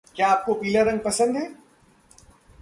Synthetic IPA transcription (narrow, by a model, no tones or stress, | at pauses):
kjaːp̚kopiːləɾːɐ̃ŋɡ̚pɐsə̃nd̪ɦɛː